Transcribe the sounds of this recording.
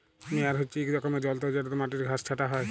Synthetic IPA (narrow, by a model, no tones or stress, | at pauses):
meaɾɦotːʃʰiekɾɔkomed͡ʑɔlt̪od͡ʑaɾt̪omaʈiɾɡʱast͡ʃʰaʈaɦɔe